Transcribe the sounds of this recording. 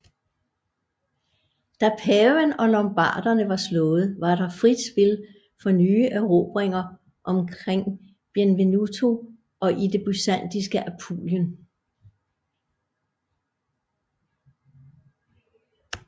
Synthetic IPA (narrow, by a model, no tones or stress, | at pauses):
d̥æpʰɛːenɒ̽lɒ̽mb̥ɑ̰̈ːd̥ɐnəʋɑ̈slɔ̽ːð̞̩ˠʋɑ̈ɾ̥ɑ̈fʁid̥sb̥e̝l | fɒnyːʔeʊʁo̝ːb̥ʁeŋɐ | ʔɒ̽mkʰʁeŋ̰ | b̥jenʋe̝nut͡sʰo̝ | ɒ̽ʔid̥e̝b̥ysæn̰d̥is̬ɡ̥əʔæpʰo̰ːljən